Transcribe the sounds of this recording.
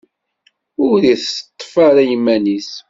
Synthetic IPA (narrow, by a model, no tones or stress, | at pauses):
ʊɾðiθət̪ˤːfaɾæjəmːænis